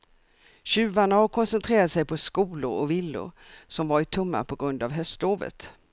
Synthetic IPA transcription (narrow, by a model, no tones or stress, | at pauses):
ɕʉ̟ːvaɳahɔɾkʰɔnsɛnt̪ʰɾeːɾat̪sɛjpʰɔskuːlʊ̰ɾɔvɪlːʊ̰ɾ | sɔmvaɾɪt̪ʰɵmːa̰pʰɔɡɾɵnd̪avɦœst̪loːvə̰t̪